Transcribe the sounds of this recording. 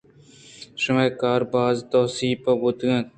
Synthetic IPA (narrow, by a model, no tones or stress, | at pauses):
ʃəmeːkaːɾbaːzt̪oːsiːpɐbʊt̪ːẽː